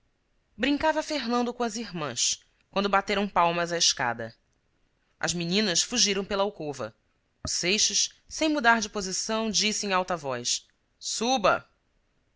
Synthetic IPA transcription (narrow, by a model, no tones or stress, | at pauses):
bɾĩŋkavɐfeɦnɐ̃nd̪ʊkõɐziɦmɐ̃s | kwɐ̃nd̪ʊbat̪eɾɐ̃w̃pawmɐzɐɪʃka̰d̪ɐ̰ | ɐ̰zminĩnɐsfuʒiɾɐ̃w̃pelɐawkovɐ̰ | ʊsejʃɐʃ | sẽj̃mud̪aɦd͡ʒɪpozisɐ̃w̃d͡ʒisɪẽj̃awt̪ɐvɔjʃ | subɐ̰